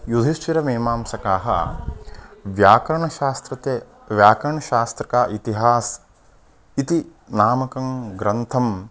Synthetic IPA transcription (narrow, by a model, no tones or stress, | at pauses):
jud̪ʱiʃt͡ʃiɾɐmeːmaːmsɐkaːɦɐ̰ | ʋjaːkɐɾɐɳɐaːst̪ɾɐt̪e | ʋjaːkɐɾɐɳɐʃaːst̪ɾɐkaːʔit̪iɦaːs | it̪i | naːmɐkɐmɡɾɐnt̪ʰɐm